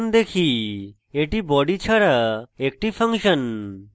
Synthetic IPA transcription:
nd̪ekʰi | eʈibɔɖit͡ɕʰaɾaek̚ʈipʰaŋʃən

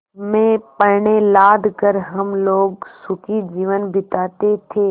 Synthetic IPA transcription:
mẽːpɐɾɳelaːd̪ʱkəɾɦɐmloːɡsʊkid͡ʒiːʋənbɪt̪aːt̪et̪ʰeː

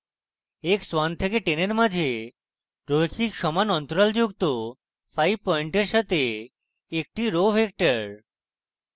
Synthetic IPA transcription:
ekswant̪ʰekeʈeneɾmad͡ʒʱe | ɾot͡ɕikʃɔmanɔnt̪oɾald͡ʑukt̪o | fʰajbpɔiɳʈeɾʃat̪e | ek̚ʈiɾobʱek̚ʈəɾ

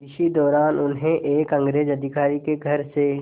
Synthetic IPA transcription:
ɪʃid̪ɔːɾaːnʊnɦẽʔeːkɐ̃ŋɡɾeːd͡ʒɐd̪ʱɪkaːɾikeɡʱɐɾse

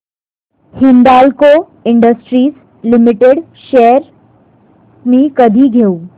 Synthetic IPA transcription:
hind̪alko | iɳɖəsʈɾiːs | limiʈeɽ | ɕeɾ | miːkəd̪ʱiːɡʱeuː

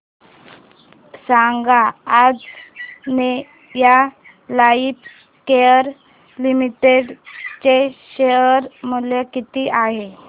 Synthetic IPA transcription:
saŋɡaːd͡zne | ja | laiːp | kejəɾ | limiʈeɖt͡ɕeɕejəɾmuljakit̪iːʔaɦe

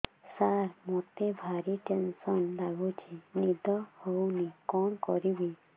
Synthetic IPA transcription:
saɾmot̪ebʱaɾiʈensɔnd̪aɡʱut͡ʃʰinid̪ʱɔhownikɔɳkɔɾibi

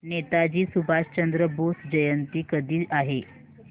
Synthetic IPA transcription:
net̪ad͡ʑiːsubʱaɕt͡ɕənd̪ɾəbosd͡ʑəjənt̪iːkəd̪ʱiːʔaɦe

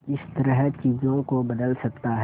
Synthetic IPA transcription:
ɪst̪əɾəɦt͡ʃiːzõkobɐd̪əlsɐk̚t̪aɦ

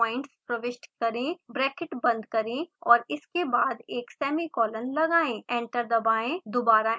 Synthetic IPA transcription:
ɔːɪ̃ɳʈspɾɐʋɪʃʈkɐɾẽbɾɛːkɪʈbɐ̃nd̪kɐɾẽɔːɾɪskebaːd̪eːksɛːmikɔːlənlɐɡaːẽẽːɳʈəɾd̪ɐbaːẽd̪obaːɾa

